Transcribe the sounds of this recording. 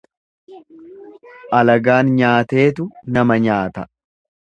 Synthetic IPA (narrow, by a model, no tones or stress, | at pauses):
ʔɐlɐɡaːnɲaːt̪e̞ːt̪ʊnɐmɐɲaːt̪ɐ